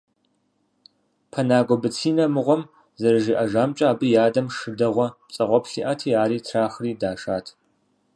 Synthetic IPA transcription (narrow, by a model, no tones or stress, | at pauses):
pʰɐnaːɡʷɔbɨt͡sʰiːnɐmɨʁʷɔm | zɐrɨʒiːʔɐʒaːmt͡ʃʼaːbɨjaːdɐmʂɨdɐʁʷɔ | t͡sʼɐʁʷɔpɬiːʔaːtʰiːaːɾiːtʰraːxriːdaːʂaːtʰ